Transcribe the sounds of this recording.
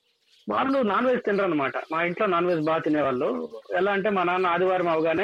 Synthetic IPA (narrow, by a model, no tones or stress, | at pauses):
ʋa̰ːlːunaːnʋeːst̪inɖɐɾɐnːɐmaːʈɐ̰maːiɳʈloːnaːnʋeːs̬baːt̪ineːʋaːɭːuɛlaːɐɳʈeːmɐnanaːd̪iʋaːɾɐmɐʋɡaːneː